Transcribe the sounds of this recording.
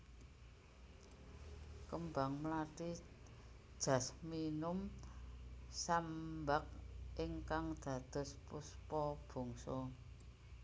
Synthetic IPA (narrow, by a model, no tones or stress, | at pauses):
kəmba̤ŋmlaʈi̥ | ʒ̥ä̤sminʊm | sambak̚ʔiŋkaŋd̪̥a̤d̪̥ɔ̤spuspɔb̥o̤ŋsɔ